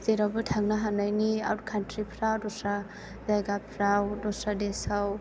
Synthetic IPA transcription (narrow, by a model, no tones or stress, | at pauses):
zeɾabɯtʰaŋnaɦanajnia̰wɾ̚kʰantʰɾipʰɾawdɔsɾa | zajɡapʰɾawdɔsɾadesaw